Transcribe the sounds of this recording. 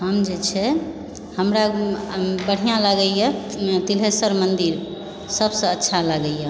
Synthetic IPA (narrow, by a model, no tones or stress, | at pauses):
ɦəmd͡ʒet͡ʃʰɛ | həmɾa | bəɽ̤ijãləɡəjɛt̪ilɦesəɾmənd̪iɾ | səbsə̃ətːʃʰaləɡəja